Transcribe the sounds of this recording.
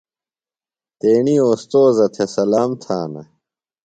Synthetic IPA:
t̪eːɳiːoːst̪oːzɐt̪ʰesɐlaːmt̪ʰaːnɐ̰

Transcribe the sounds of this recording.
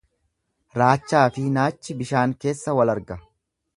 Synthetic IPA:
ɾaːt͡ʃːaːfɪnaːt͡ʃːɪbɪʃaːŋke̞ːsːɐwɐlɐɾɡɐ

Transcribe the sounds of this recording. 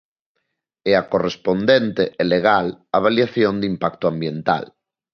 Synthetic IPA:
eakorespond̪ent̪eʔeleɣalaβ̞aljaθjond̪impak̚t̪oambjent̪a̰l

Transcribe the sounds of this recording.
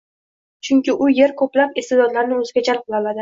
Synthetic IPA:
t͡ʃʰʊŋʲkʲɪʔʊje̞ɾkʰɵplapɪst̪ed̪ɒd̪laɾnɪɵzɪɡʲad͡ʒalˠq̚ʰɨlˠaɒlad̪ɪ

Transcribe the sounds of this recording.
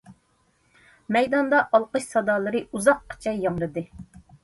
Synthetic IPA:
mɛjd̪ɑnd̪ɑʔɑlˠqɨʃsɑd̪ɑːlˠɨɾɨuzɑq̚qːə̥t͡ʃʰɛjːɑŋlˠɨd̪ɨ

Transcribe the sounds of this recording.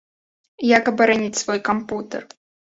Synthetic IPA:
jakɐbɨɾanʲit͡sʲsvɔjkɐmput̪ə̰r

